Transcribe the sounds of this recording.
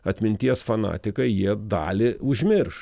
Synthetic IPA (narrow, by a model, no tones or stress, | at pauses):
ɐt̪ʲmʲɪnʲt̪ʲiɛsfɐnɑ̰ːt̪ʲɪkɐɪjiɛd̪ɑ̰ːlʲɪʊʒʲmʲɪɾʃ